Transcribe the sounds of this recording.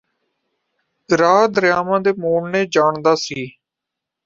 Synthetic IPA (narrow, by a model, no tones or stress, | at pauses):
ɾaːd̪ɾɪjaːmãːd̪eːmoːɳnẽːd͡ʒaːɳd̪aːsiː